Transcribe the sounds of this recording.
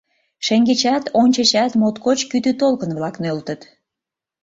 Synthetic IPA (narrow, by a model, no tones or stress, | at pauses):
ʃeŋɡet͡ɕɑt̪onʲt͡ɕĕt͡ɕɑt̪mot̪kot͡ɕkyt̪yt̪olkənβlɑknølt̪ət̪